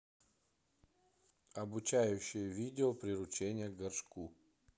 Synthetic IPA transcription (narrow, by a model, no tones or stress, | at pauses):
ɐbʊt͡ɕajʊɕːɪjəvʲidʲɪopɾʲɪɾʊt͡ɕenʲɪjəɡɐrʂku